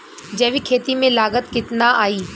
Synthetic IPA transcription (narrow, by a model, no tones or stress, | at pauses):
d͡ʒɐʋikʰeːt̪imẽlaːɡət̪kɪt̪naʔaːiː